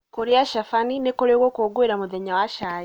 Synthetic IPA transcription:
koɾijaʃafaninekoɾewokoɡweɾamuðeɲawaʃaj

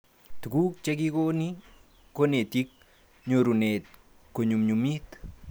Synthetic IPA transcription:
tukuk̚t͡ʃɛkikoni | konet̪ik̚ | ɲoɾunet̚ | koɲumɲumit

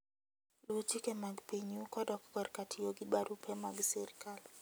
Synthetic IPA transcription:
lutikemaɡpiɲukɔdɔkɡɔɾkatʰijoɡiɓaɾupʰɛmaɡsɛɾkal

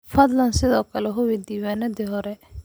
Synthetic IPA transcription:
fɐd̪lɐnsɪðɔːkʰɐlɛɦʊwid̪iːwaːnɐd̪ɪɦɔɾɛ

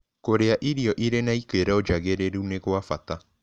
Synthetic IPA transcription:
koɾeaʔiɾiɔʔiɾenaikeɾɛod͡ʒaɣeɾeɾuneɣwafata

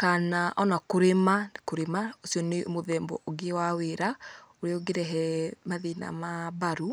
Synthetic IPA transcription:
kanaʔɔnakoɾemakoɾemaosiɔnemoðɛːmbɔ̰ʔoɡewaweɾaoɾeoɡeɾɛɦɛmaðina̰maβaɾu

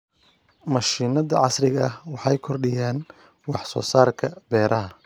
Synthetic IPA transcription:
mɐʃiːnɐðɐʕɑsrɪɣɐwɑħɑjkʰɔrɖɪjaːn | wɑħsɔ̰ːsaːrkʰɐbɛːɾʔɐɦɐ

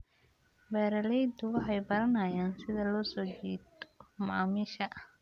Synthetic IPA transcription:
bɛːɾɐlɛjd̪ʊwɑħɑjbɐɾɐnɐjaːnsɪðɐlɔːsɔːt͡ʃiːd̪mːmiːʃɐ

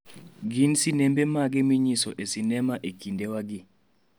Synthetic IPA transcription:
ɡinsinembemaɡɛmiɲisɔʔesinɛmaʔekindewaɡɪ

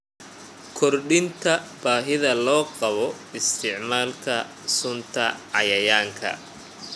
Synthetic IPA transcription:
kʰɔrɖɪnt̪ʰɐb̥aːɦɪðɐlɔːqɑβɔ | ɪst̪ʰɪʕmaːlkʰɐ | sʊnt̪ʰɐʕɑjɐjaːŋkʰɐ̰

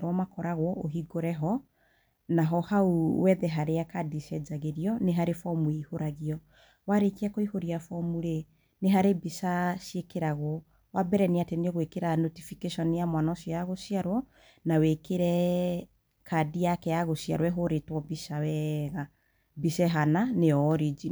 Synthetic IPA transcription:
ɾwɔmakɔɾaɣwɔoɦiɡoɾɛɦɔ | naɦɔhauwɛðɛɦaɾejakadiʃɛd͡zaɣeɾiɔneɦaɾefɔmueihoɾaɣiɔ | waɾekeakoihoɾiafɔmuɾe | neɦaɾebisaʃjekeɾaɣwɔ | wabɛɾɛneatenɔɣwekeɾanotifikeʃɔnijamwanɔʃijaɣoʃjaɾwɔ | nawekeɾɛ | kʰadijakɛaɣoʃja̰ɾwɛɦoɾetwɔbiʃawɛɣa | biʃɛɦananeɔɾid͡ʒi

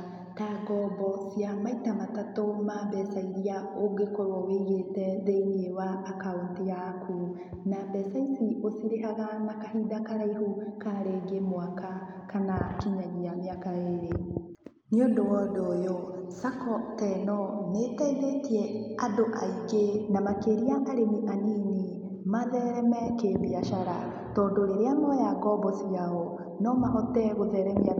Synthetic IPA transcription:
taːɡɔbɔsjamaitamatatomaːbɛsaiɾiaoɡekoɾɔɣeiɣetɛðeinewaːkaontijakʰu | nabɛsaisiosiɾeɦaɣanakaɦidakaɾaiɦukaɾeɡemwaka | kanakiɲaɣiameakaeɾe | niondowɔdojosakɔtɛnɔnetaiðetiɛadoʔaiɡenamakeɾiaʔaɾemiʔanini | maðɛɾɛmɛkemiaʃaɾa̰ | tɔːndoɾeɾeamɔjakɔbɔsiaɔ | nɔmaɦɔtɛɣoðɛɾɛmia

